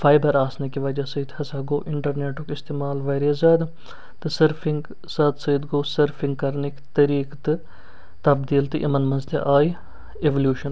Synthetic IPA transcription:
fʰaːjbɐɾaːsnekiʋɐd͡ʒasɐjt̪hɐsaːɡo̰ːʔɪɳʈəɾneːʈokɪst̪eːmaːlʋɐːɾezaːd̪ | t̪ɨsəɾfʰɪŋɡ | sɐːd̪sɐit̪ɡoːsɐɾfʰɪ̃ŋɡ̚kɐɾnekt̪ɐɾiːkt̪ | t̪ɐbd̪iːlt̪ɨʔḭmɐnmɐnzt̪ḛʔaːi | eʋəljuːʃən

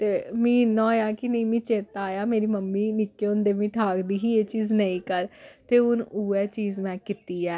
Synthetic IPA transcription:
t̪eːmĩːnɔ̃ːjaːkɪnəĩːmĩːt͡ʃeːt̪aːjaːmeːɾiːməmːiːnɪkːeːʊ̃nd̪eːʋĩːʈʰaːkd̪iːɦiːeːt͡ʃiːznəĩːkəɾt̪eːʊnuːɛːt͡ʃiːzmɛ̃ːkɪt̪iːɛː

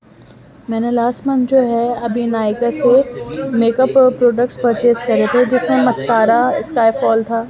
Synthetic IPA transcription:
mɛːnelaːsmənd͡ʒoːɦɛɐbʱinaːɪkasemeːkəppɾoːɖək̚ʈspəɾt͡ʃeːskɐɾet̪ʰed͡ʒɪsmẽmɐspaːɾaɪskaːefɔːlt̪ʰaː

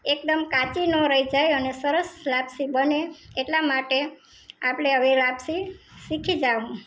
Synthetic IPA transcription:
ekd̪əmkat͡ʃinoɾəid͡ʒajənesəɾəslabsibəneeʈlamaʈe | apɽ̃eəʋelabsisikʰid͡ʒaʋũ

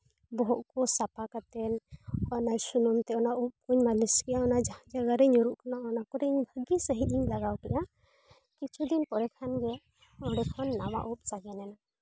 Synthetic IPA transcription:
bɔɦɔʔkɔsapakat̪ɛnanasunumt̪ɛɔnaup̚kuɲmaliskɛʔjaɔnad͡ʒad͡ʒaɡaɾɛɲuɾuʔkanaʔɔnakɔɾɛiɲbʱəɡisəɦit̪̚iɲlaɡawkɛʔa | kit͡ʃʰud̪inpɔɾɛkʰanɡɛ | ɔɦɽɛkʰɔnːama̰ʔup̚saɡɛnɛna

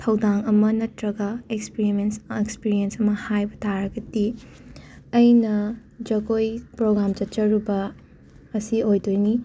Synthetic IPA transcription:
tʰɐwdaŋɐmɐnɐtɾɐɡaekspiɾimensekspiɾiensɐmɐhajbɐtʰaɾɐɡɐti | ɐjnɐd͡ʒɐkojpɾoɡɾamd͡ʒɐt͡ʃɐɾubɐː | siojdojni

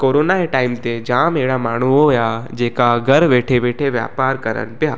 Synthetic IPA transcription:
koːɾoːnaeʈaːɪmt̪ed͡ʒaːmeːɽamaːɳ̤uoɦojad͡ʒeːkaɡʱɐɾʋeːʈʰeʋeːʈʰeʋja̰ːpaːɾkɐɾə̰npjaː

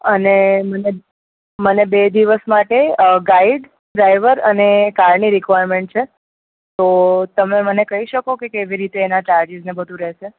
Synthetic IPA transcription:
əneməne | mənebed̪iʋəsmaʈeɡaiɖ | ɖɾajʋəɾənekaɾniɾikʋajɾmeɳʈ̚t͡ʃʰe | t̪ot̪əmemənekəɦiʃəkokekeʋiɾit̪eːnat͡ʃaɾd͡ʒiznebəd̪ʱũɾɛɦʃe

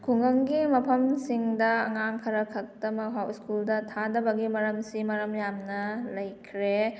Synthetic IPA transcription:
kʰuŋɐŋɡimɐpʰɐmsiŋdɐːŋaŋkʰɐɾɐkʰɐk̚tɐmɐɦawskuldɐtʰadɐbɐɡimɐɾɐmsimɐɾɐmjamnɐlɐjkʰɾe

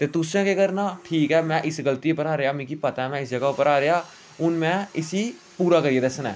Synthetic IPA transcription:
t̪eːt̪ʊsãːkekəɾnaːʈʰiːkɛːmɛ̃ːʔɪsɡəlt̪iːpːəɾaːɾeaːmĩːkipət̪aɛmɛ̃ːɪsd͡ʒəɡaːʊpəɾaːɾeaː | ʊnmɛ̃ːɪsiː | puːɾaːkəɾieːd̪əsənɛ̰̃ː

